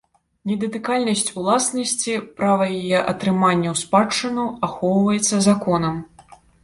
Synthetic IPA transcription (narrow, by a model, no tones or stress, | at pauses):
nʲɛd̪ɐt̪ɨkalʲnɐsʲt͡sʲulˠasnɐsʲt͡sʲipɾavɐjajɛʔɐt̪ɾɨmanʲːɐwspat͡ʂːɨnuaxɔwvɐjɛt̪sːɐzakɔnɐm